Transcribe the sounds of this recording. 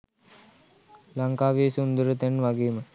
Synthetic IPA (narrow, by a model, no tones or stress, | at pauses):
laŋkaːʋeːsund̪əɾət̪enʋaɡeːmə